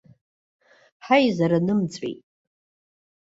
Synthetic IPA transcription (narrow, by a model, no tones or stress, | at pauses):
ħajzaɾanɨmt͡sʼḛjtʼ